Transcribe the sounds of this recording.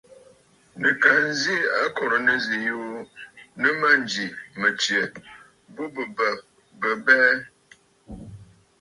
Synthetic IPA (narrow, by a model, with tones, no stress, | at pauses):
nə˨ka˨n˦zi˦a˦kɔ˨ɾə˨nə˦zi˨jo˦ | nə˦ma˦n˨d͡ʒi˨mə˨t͡ʃjə˨ | bo˦bə˨bə˨ | bə˨bɛ˦